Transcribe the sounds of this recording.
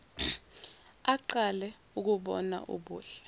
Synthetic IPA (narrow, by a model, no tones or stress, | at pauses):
aǃalɛ | uk̬uɓɔ̰na̰ʔṵɓuːɬɛ̥